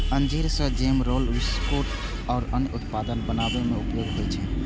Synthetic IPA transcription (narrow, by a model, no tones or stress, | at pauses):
ənd͡ʒeɾsə̃d͡ʒeːmɾoːlʋɪskoʈ | ɔːɾənjəʊt̪pad̪ənbənabemeupjoːɡɦojt͡ʃʰɛ